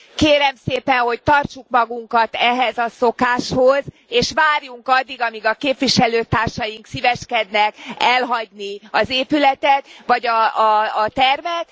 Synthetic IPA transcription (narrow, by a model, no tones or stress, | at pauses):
keːɾɛmseːpɛnho̞c̚t̪ɒrt͡ʃukmɒɡuŋkɒt̪ɛɦɛzɒsokaːʃhoz | eːʃʋaːrjuŋkɒd̪ːiɡɒmiɡɒkeːpʋiʃɛløːt̪aːrʃɒjiŋksiːvɛʃkɛd̪nɛkɛlɦɒɟniɒzeːpylɛt̪ɛt̪ʋɒɟɒː | t̪ɛrmɛt̪